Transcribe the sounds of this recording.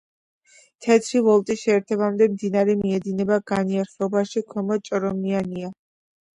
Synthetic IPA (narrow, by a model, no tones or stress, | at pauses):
t̪ʰɛt̪ʰɾivɔlˠt̪ʼisʃɛːɾt̪ʰɛbamd̪ɛmd̪inaɾɛmiɛd̪inɛbaɡaniaɾχlɔbaʃikʰɔmɔt͡ʃʼɾɔmiania